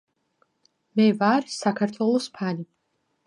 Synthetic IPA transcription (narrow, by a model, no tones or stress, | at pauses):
mɛvaɾisakʰaɾt̪ʰwɛlˠɔspʰani